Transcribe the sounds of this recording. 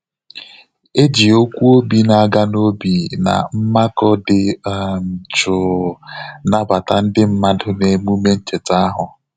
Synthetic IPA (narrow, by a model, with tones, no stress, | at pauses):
e˦d͡ʒi˨o˦kʷu˦o˦bi˨na˨a˦˨ɡa˦no˦bi˨na̰˨m̩˦ma˦kɔ˦dɪ˨m̩˨t͡ʃʊ˨ | na˦ba˨ta˨n̩˦dɪ˦m̩˦ma˦dʊ˦ne˨mu˦me˦n̩˦t͡ʃe˨ta˦ɦʊ˨